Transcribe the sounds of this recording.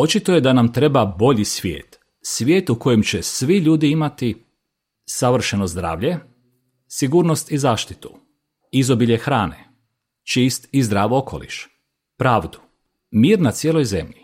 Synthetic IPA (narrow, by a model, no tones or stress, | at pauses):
o̞t͡ʃit̪o̞je̞d̪anamt̪ɾe̞babo̞ʎisʋʲjḛːt̪ | sʋʲjeːt̪uko̞jemt͡ɕe̞sʋiʎuːd̪iimat̪i | saʋr̩ʃenozd̪ɾa̰ːʋʎe̞ | siɡuːɾno̞st̪izaːʃt̪i̥t̪u̥ | izo̞biʎexɾaːne̞̰ | t͡ʃiːst̪izd̪ɾaːʋo̞kʰo̞̰lḭʃ | pɾaːʋd̪u̥ | miːɾnat̪sjeːlo̞jze̞̰mʎi